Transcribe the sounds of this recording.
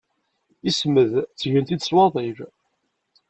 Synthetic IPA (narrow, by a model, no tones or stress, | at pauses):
isməðt͡sːʝənt̪id̪swɑðˤiɾ